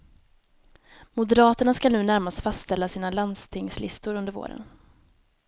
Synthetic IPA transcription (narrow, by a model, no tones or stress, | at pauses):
mʊd̪ɛɾɑːt̪əɳaskalʉ̟ːnæɾmast̪fast̪st̪ɛlːasiːnaland̪st̪ʰɪŋslɪst̪ʊɾɵnd̪əɾvo̰ːɾə̰n